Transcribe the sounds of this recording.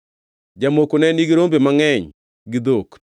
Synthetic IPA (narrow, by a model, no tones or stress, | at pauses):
d͡ʒamokonɛniɡiɾombemaŋɛɲ | ɡɪd̪ok